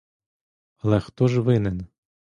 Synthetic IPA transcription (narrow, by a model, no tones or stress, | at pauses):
ɐlˠɛxt̪ɔʒʋɪnɛn